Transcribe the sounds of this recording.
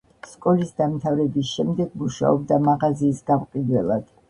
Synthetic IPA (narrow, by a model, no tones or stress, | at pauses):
skʼɔlisd̪amt̪ʰavɾɛbisʃɛmd̪ɛɡmuʃa̰ɔb̚d̪amaʁaziːsɡamqʼid̪wɛlˠa̰d̪̥